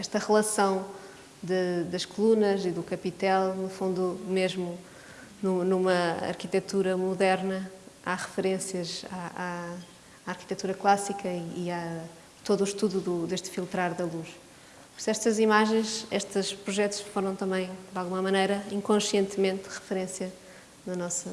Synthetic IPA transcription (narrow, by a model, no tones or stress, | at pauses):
ɛʃt̪ɐʁɨlˠɐsɐ̃w̃ | d̪ɨd̪ɐʃkulˠunɐziðukɐpit̪ɛlˠnufũnd̪umeʒmu | nunumɐɐ̰ɾkit̪ɛt̪uɾɐmuðɛɾnɐaʁɨfɨɾẽsiɐzaaː | ɾki̥t̪ɛt̪uɾɐklˠasikɐiːa | t̪oðuːʃt̪uðuðuðeʃt̪filˠt̪ɾaɾðɐlˠuʃ | psɛʃt̪ɐzimaʒẽj̃ʃɛʃt̪ɨʃpɾuʒɛt̪u̥ʃfoɾɐ̃w̃t̪ɐ̃mbɐ̃j̃d̪alˠɣumɐmɐnejɾɐĩŋkõʃjẽnt̪mẽnt̪ʁɨfɨɾẽsjɐ | nɐnɔsɐ